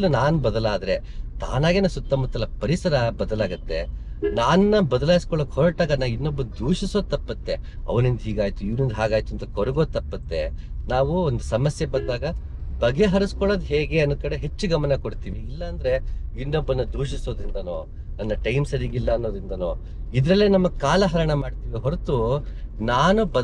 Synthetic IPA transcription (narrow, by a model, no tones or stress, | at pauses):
lːunaːnubɐd̪ɐlaːd̪ɐɾe̞ | t̪a̰ːnaːɡeːnɐsut̪ːɐmɐt̪ːɐlːɐpɐɾisɐɾɐbɐd̪ɐlaːɡɐt̪ːe̞naːnːɐbɐd̪ɐlaːjiskɔɭoːkhɔɾɐʈaːɡɐnaːʋinːobːɐnd̪uːʂisod̪̚t̪ːɐpːɐt̪ːe̞ | ɐ̰ʋɐnind̪ɐɦiːɡaːjt̪uiʋnind̪ɐɦaːɡaːjt̪uɐnt̪ɐkoɾuɡo̞ːd̪̚t̪ɐpːɐt̪ːe̞̰naːʋuond̪usɐmɐsjebɐnd̪aːɡɐ | bɐɡe̞ɦɐɾɐskɔɭoːd̪ɦeːɡe̞ɐnukɐɽe̞ɦe̞t͡ʃːuɡɐmɐnɐkoɽt̪iːʋiilːɐːnd̪ɐɾe̞inːobːɐnːɐd̪ʱuːʃiso̞ːd̪ɾind̪ɐnoː | nɐnːɐʈɐjmsɐɾiːɡilːɐːnːo̞ːd̪ɾind̪ɐnoː | id̪ɾɐlːenɐmːɐkaːlɐɦɐɾɐɳɐmaːɖt̪iːʋiɦoɾt̪u | naːnubɐ